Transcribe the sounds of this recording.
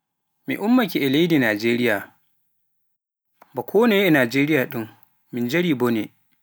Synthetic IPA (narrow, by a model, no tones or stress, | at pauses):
mḭʔʊmːakʲiʔɛlejdinaːd͡ʒeːɾɪjaː | bakʰoːnejʔanaːd͡ʒeːɾɪjaːɗɪŋ | mɪnd͡ʒɐɽiːboːneː